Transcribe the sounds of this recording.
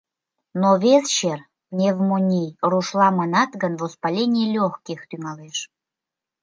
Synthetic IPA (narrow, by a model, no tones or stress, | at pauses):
noβest͡ɕer | nʲevmonʲijruʃlɑmənɑt̪ɣənvospɑlʲenʲijelʲoxkixt̪yŋɑleʃ